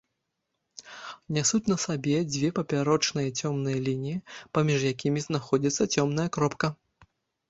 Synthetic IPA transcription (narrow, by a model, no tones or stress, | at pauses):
nʲɛsut͡sʲnɐsabʲɛd͡zʲvʲɛpɐpʲaɾɔt͡ʂnɨjɐt͡sʲɔmnɨjɐlʲinʲijipɐmʲiʐjakʲimʲiznaxɔd͡zʲit̪sːɐt͡sʲɔmn̪ɐjɐkɾɔpkɐ